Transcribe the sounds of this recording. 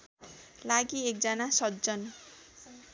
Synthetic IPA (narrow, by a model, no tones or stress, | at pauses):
laɡiek̚d͡zʌnasʌt̪̚d͡zʌn